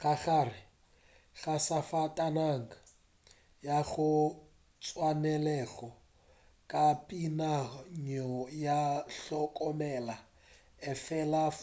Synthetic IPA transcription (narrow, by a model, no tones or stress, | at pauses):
ɣaɣarɪ | ɣasafatʼanaŋa | jaɣʊ | t͡sʼwanɛlɛɣɔ | kʼapʼinaɲɔjaɬɔkʼɔmɛla | ɛfɛla